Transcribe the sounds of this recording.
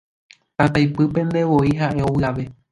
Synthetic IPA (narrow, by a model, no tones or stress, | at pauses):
t̪ãt̪ajpɨpẽ̞nd̪e̞ʋo̞iɦaʔe̞owɨaʋe̞